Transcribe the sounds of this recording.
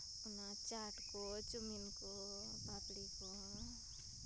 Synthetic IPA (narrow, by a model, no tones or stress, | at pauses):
unat͡ʃaʈkot͡ʃuminko | bapɽiko